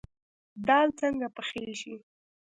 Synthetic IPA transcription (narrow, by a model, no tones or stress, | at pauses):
d̪ɑlt͡səŋɡapəxeʃi